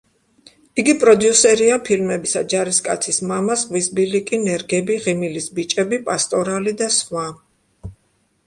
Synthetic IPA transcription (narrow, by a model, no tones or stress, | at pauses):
iɡipʼɾɔd̪jusɛɾiapʰilmɛbisa̰d͡ʒaɾiskʼa̰t̪sʰismamasʁwisbilikʼinɛɾɡɛbiʁimilisbit͡ʃʼɛbipʼast̪ʼɔɾalid̪asχwa